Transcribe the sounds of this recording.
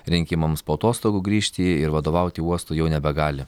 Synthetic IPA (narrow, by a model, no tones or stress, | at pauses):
ɾʲɪŋʲkʲɪmɐmspoːɐt̪oːst̪oːɡuːɡɾʲiːʃʲt̪ʲiɪɾʋɐd̪oːʋɐʊt̪ʲɪuɔst̪uːjɛʊnʲɛbʲɛɡɑːlʲɪ